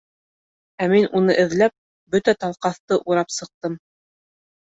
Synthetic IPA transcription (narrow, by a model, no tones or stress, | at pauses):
æminʔunɤʔɘ̆ðlæp̚ | bɵt̪æt̪ɑlˠqɑθt̪ɤʔuɾɑpsɤ̆q̚t̪ɤm